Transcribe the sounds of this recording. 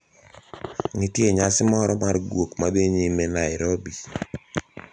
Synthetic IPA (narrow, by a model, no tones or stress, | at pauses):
nitjeɲasɪmɔɾɔmarɡwokmad̪eɲimenaɪɾobi